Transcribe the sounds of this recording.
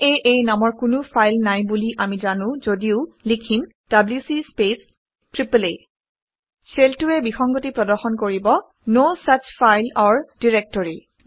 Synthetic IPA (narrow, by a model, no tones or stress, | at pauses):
eʔejnamɔɹkʊnʊfʰajlnajbuliʔamizanʊ̃zodiʊlikʰim | d̥abljusispes | tɹiple | seltuɛbixɔŋɡotipɹɔdɔɹxɔnkoɹibɔ | nosat͡ʃfajlɔɹdiɹɛk̚tɔɹi